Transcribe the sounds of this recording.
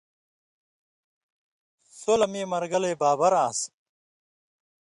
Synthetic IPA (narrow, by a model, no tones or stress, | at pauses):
solɐmiːmɐɾɡɐleːbaːbɐɾaːs